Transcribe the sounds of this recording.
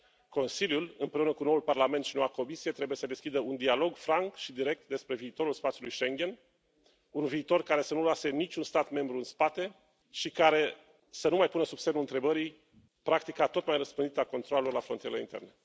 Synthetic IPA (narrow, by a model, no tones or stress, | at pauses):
ko̞nsiljulɨmpɾe̞unəkuno̞ulparlament̪ʃinowako̞misije̞t̪ɾe̞buje̞səd̪e̞skʲid̪əund̪ialo̞ɡfɾaŋkʃid̪iɾe̞k̚t̪̚d̪e̞spɾe̞viːt̪o̞ɾulspat̪sʲjulujʃe̞ŋɡʲe̞n | unviːt̪o̞rkaɾe̞sənuloase̞nit͡ʃʲunst̪at̪me̞mbɾuɨnspat̪e̞ | ʃikaɾe̞ | sənumajpunəsubse̞nulɨnt̪ɾe̞bəɾi | pɾakt̪ikat̪o̞t̪majrəspɨnd̪it̪əako̞nt̪ɾoale̞loelafɾont̪ieɾelḛint̪e̞̰rne̞